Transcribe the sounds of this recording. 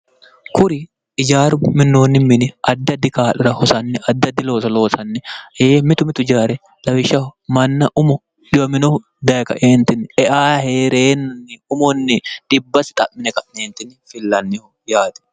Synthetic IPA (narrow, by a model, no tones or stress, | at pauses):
kʊɾɪ | ɪd͡ʒaːɾʊmɪnːo̞ːnːɪmɪnɪɐd̪ːɐd̪ːɪkaːᶑʊɾɐhɔsɐnːɛʔɐd̪ːɐd̪ːɪlo̞ːsɐlo̞ːsɐnːɛeːmɪt̪ʊmɪt̪ʊɪd͡ʒaːɾɛ | lɐwɪʃɐmɐnːɐʔʊmʊ | dɪbɐmɪnɔ | d̪ɐjkɐ̰ʔeːnt̪ɪnːɛʔaːheːɾeːnːɐnːɪʊmɔnːɪᶑ̪̥ɪbːɐsɪ̥t̪ʼɐʔmɪnɛkɐnːeːnt̪ɪnːɪfɪlːɐnːɪh | jaːt̪ɛ̥